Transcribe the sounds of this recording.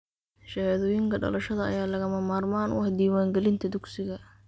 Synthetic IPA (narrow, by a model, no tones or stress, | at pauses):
ʃɐhaːðɔːjɪŋkʰɐɖɐ̰lɐʃɐðɐɐ̰jaːlɐɣɐmɐmaːrmaːnwɑ̰ħd̪iːwaːŋɡɛlɪnt̪ʰɐd̪ʊɡsɪɣɐ